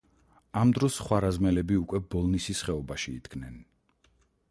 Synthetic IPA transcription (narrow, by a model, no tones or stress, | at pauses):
amd̪ɾɔsχwaɾazmɛlɛbiukʼwɛbɔlˠnisisχɛɔbaʃiḭd̪̥ɡnɛn